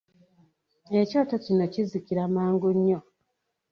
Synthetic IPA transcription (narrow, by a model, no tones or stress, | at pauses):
e̞co̞tocino̞cizikiɾamaːŋɡuɲːo̞